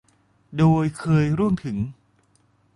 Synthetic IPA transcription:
doː˧jkʰɤː˧jɾu˥˩əmt̪ʰɯ˩˦ŋ

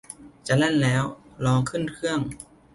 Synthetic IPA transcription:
t͡ɕa˧˩le˥˩nlɛː˦˥wlɔː˦˥ŋkʰɯ˥˩nkʰɯ˥˩əŋ

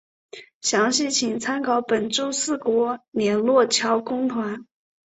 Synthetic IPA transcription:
ɕjɑ˧˥ŋɕi˥˩t͡ɕʰi˨˩ŋt͡sʰa˥nkʰɑ˧˩˥ʊpə˨˩nʈ͡ʂo˥ʊsɹ̩˥˩kwɔ˧˥ljɛ˨˩˥nlwɔ˥˩t͡ɕʰjɑ˧˥ʊkʊ˥ŋt̪ʰwa˧˥n

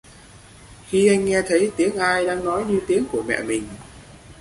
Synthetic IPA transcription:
xi˧ʔa˧jŋ̟ːɛ˧t̪ʰə˨˦jt̪i˨˦əŋʔaː˧jɗa̰ː˧ŋnɔ˨˦jɲɨ˧t̪i˨˦əŋku˧˩əmɛ̰˧˨mï˨˩ŋ̟

